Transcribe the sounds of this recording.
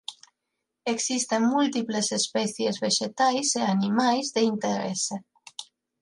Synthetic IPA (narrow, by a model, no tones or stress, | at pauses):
eksist̪eŋmult̪iplesespɛθjezβeʃet̪ajseanimajzðeint̪eɾɛ̰se